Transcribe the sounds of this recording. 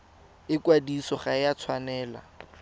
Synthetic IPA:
ɪkwadisɔχajat͡sʰwanɛːla̰

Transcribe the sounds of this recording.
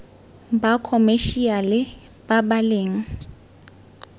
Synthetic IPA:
bakʰɔmeʃialɪ | babaleːŋ̩

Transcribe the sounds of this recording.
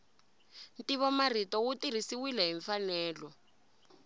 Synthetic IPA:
ntiβɔmaritɔwutir̤isiwilɛɦiɱfanɛːlɔ

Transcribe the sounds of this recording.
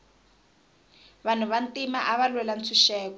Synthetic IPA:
βan̤uβantimaʔaβalwɛlant͡sʰuʃɛːkɔ

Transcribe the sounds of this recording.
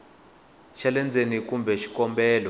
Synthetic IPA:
ʃalɛnd͡zʱenik̬umbʱɛʃi̥kɔmbɛːlɔ

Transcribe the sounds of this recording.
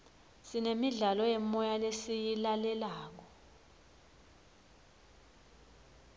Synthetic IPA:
sinemiɮalɔjɛmɔjalesijilalɛlaːk̬ɔ

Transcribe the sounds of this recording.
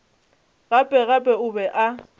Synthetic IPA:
ɣapʼɛɣapʼɛʊbɛʔa

